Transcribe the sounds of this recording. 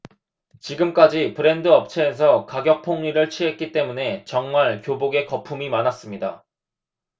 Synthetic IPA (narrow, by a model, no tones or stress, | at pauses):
t͡ɕiɡɯmk͈ad͡ʑipɯɾe̞ndɯʌp̚t͡ɕʰe̞ːs̬ʰʌkaɡjʌk̚pʰoŋɲiɾɯɭt͡ɕʰiɦe̞t̚k͈it͈e̞mune̞t͡ɕʌŋmaɭkjoboɡe̞kʌpʰumimanas͈ɯmɲida̰